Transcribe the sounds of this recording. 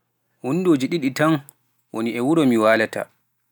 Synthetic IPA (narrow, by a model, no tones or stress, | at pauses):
hunːdoːd͡ʒiɗiɗitan | wo̰niɛwuɾɔmiwaːlata̰